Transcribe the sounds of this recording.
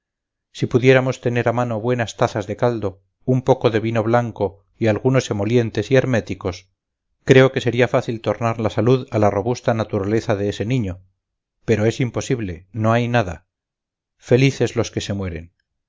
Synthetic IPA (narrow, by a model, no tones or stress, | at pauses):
sipuðje̞ɾamo̞st̪e̞ne̞ɾamano̞βwe̞nast̪aθazðe̞kald̪o̞ | umpo̞ko̞ðe̞βino̞βlaŋko̞ | ialɣuno̞se̞mo̞lje̞nt̪e̞sieɾme̞t̪iko̞s | kɾe̞o̞ke̞se̞ɾiafaθilt̪o̞ɾnaɾlasaluðalaro̞βust̪anat̪uɾale̞θaðeese̞nĩɲo̞ | pe̞ɾo̞e̞simpo̞siβle̞no̞ajnaða̰ | fe̞liθe̞zlo̞ske̞se̞mwe̞ɾe̞̰n